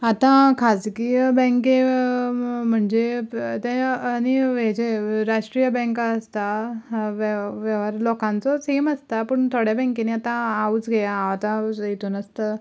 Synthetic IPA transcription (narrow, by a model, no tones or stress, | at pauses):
at̪ãkʰad͡zkibɛ̃ŋke | m̤əɳd͡zet̪ɛ̃ːniʋed͡ʑeɾaʂʈɾijəbɛ̃ŋkaːst̪aʋʋeʋəɾlɔkãnt͡sɔseməst̪apəɳt̪ʰoɽjabɛ̃ŋkeniat̪ãaut͡sɡʱejaat̪ãjet̪uːnəst̪ə